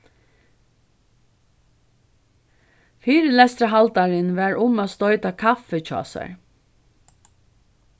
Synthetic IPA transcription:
fiːɾəlɛst̪ɾəɦɑlt̪aɹənʋæːɹʔʊmoːst̪ɔʏt̪akʰɑfəc͡çɑ̰ːsa̰ɹ

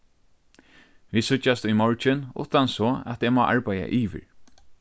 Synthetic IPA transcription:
ʋiːsʏt͡ʃːast̪ʊjmɔɹt͡ʃɪnʊ̰ht̪ansɔːæ̰t̪eːmaːʔaɹpaja̰ʔiːʋɪ̰ɹ

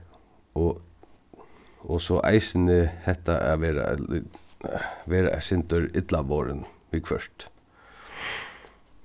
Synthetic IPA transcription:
ɔ | ɔsɔʔa̰ɪsɪnɪhɛht̪aʔaʋɛːɾa̰ | ʋɛːɾa̰sɪnt̪œɾɪt̪laʋɔːɾənʋikʰʋœ̰ʂt̪

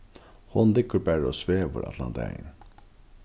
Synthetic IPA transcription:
hʊnlɪkːəɾbæɾɔsʋeːʋə̰ɾɑ̰t̪ʰlɑ̰nt̪ʰæ̰jn

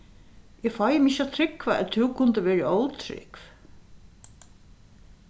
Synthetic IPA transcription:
ɛfɔjɪmɪʃat̪ʰɾɪkvaɛ̰t̪ʰuwkʰʊnt̪əvɛːɾɪowt̪ʰɾɪ̰kv

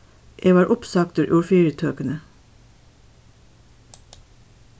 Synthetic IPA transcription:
ʔeːʋɑːɹʔʊpsɑk̚t̪əɾʔʊːɹfiːɹət̪ʰøːkənə

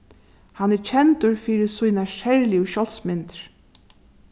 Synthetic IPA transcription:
hanɛɾt͡ʃʰɛnt̪ʊɹfiːɾɪsujnaʃɛɹlɪʊʃɔlsmɪnt̪ɾ̥

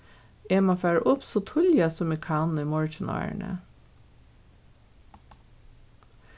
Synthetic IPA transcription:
eːmoːfæːɹʔʊpsɔːt̪ʰʊljɑsɔmikʰɑːnn̩iːmɔɹçəno̰ːɳə̰

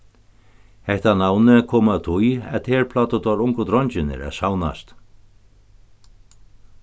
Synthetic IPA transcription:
hɛht̪anaːwnɪkʰɔːmat̪ʰujɛ̰ðt̪hɛɾpʰlaːt̪ʏt̪ɔɾuŋkʊt̪ɾɔɲt͡ɕɪnɪ̰ɾɛ̰ðsaːwna̰st̪

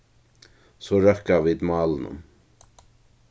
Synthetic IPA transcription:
sɔːɹɛhkaviːd̪mɑːlənʊ̰m

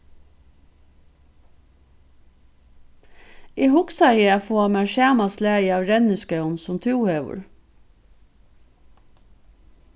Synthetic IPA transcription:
iːhʊksɑɪəæfoːɑmæːʃæːmɑslæːɪɑːʋɾɛnəskœʊnsʊmt̪ʰʉːheːʋʊ̰ɹ

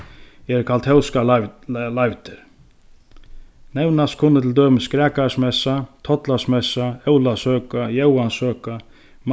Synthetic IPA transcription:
ɛɾkʰalt̪hɛwskalajvt̪ɪɾ | nɛwnaskʰʊnːət̪ʰɪld̪øːmɪskɾɛːkasmɛsat̪ʰɔt̪lasmɛsaɛwlasœːkajɛwansøːka | m

